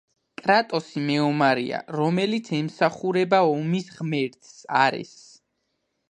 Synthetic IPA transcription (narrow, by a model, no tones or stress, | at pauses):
kʼɾat̪ʼɔsimɛɔmaɾḭa̰ɾɔmɛlit̪sʰɛmsaχuɾɛbaɔmisʁmɛɾt̪ʼsa̰ɾɛ̰s